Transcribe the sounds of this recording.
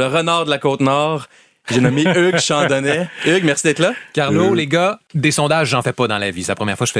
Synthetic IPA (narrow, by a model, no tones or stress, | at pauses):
ləʁənɑːʁd̪əlakoːt̪nɔːʁ | ʒenɔmeøɡʃɑ̃d̪ɔnɛʏɡmɛʁsid̪ɛːt̪lʌkaʁloleɡʌd̪esɔ̃d̪aʒːɑ̃fɛpʌd̪ɑ̃lavisɛlapʁəmjɛːʁfwaʃəfɛ